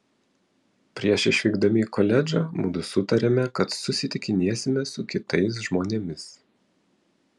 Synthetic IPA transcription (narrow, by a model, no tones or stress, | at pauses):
pʲɾʲiɛʃɪʃʲʋʲiːɡd̪ɐmʲiːkɔlʲɛd͡ʒɑmʊ̰d̪ʊsʊt̪ɐɾʲeːmʲɛkɐt̪sʊsʲɪt̪ʲɪkʲɪnʲiɛsʲɪmʲɛsʊkʲɪt̪ɐɪs̬ʒmoːnʲemʲɪs